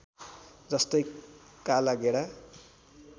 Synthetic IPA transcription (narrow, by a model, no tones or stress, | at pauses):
d͡zʌst̪ʌj | kalaɡeɽa